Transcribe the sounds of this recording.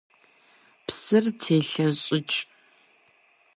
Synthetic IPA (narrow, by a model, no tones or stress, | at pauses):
psɨrtʰeːɬɐɕʼɪt͡ʃʼ